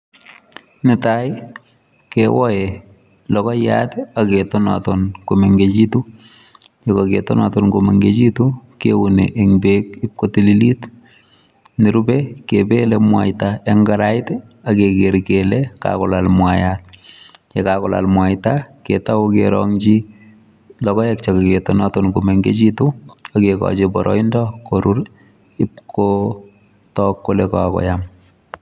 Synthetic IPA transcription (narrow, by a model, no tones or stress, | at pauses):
nɪtaj | kewɔje | lɔkɔja̰teaketɔna̰tɔnkomeŋɡet͡ʃitu | jekɔketɔnatɔnkomeŋɡet͡ʃitukḛwunḛʔeŋbek̚ɪp̚kotililit | nɪɾubɛkebelemwa̰jtaeŋɡaɾajtɛ | akekeɾkelɛka̰kɔlalmwajat̚jɛkakɔla̰lmwajtaketawokeɾɔ̰ŋt͡ʃi | lɔkɔjɛk̚t͡ʃakeketɔnɔtɔnkumeŋɡḛt͡ʃituakekɔ̰t͡ʃebɔ̰ɾʔɔ̰indɔkoɾuɾ | ɪp̚kʰo | tɔkːolɛkakɔ̰jam